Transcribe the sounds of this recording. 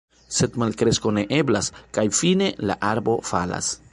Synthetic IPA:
se̞t̪malkɾe̞sko̞ne̞ʔe̞blaskajfine̞la̰ʔaɾbo̞fala̰s

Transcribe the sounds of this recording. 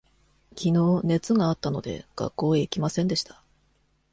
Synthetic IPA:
kʲino̞ːne̞t͡sɨɡaːt̪ːano̞d̪e̞̰ɡ̥a̰kːo̞ːeikʲimasẽ̞nd̪e̞ɕi̥t̪ḁ

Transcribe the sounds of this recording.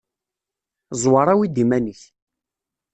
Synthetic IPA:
zˤwɑɾˤawid̪imæniç

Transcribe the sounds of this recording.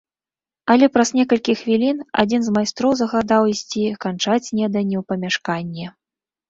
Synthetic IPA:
ɐlʲɛpɾɐznʲɛkɐlʲkʲixvʲilʲina̰d͡zʲinzmajst̪ɾɔwzɐɣad̪awisʲt͡sʲikant͡ʂat͡sʲnʲɛd̪ɐnʲɛwpɐmʲaʂkanʲːɛ

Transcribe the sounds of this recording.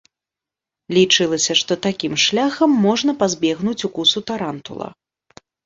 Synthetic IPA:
lʲit͡ʂɨlˠɐsʲɐʂt̪ɔt̪akʲimʂlʲaxɐmːɔʐnɐpazʲbʲɛɣnut͡sʲukusut̪aɾant̪ṵlˠɐ̰

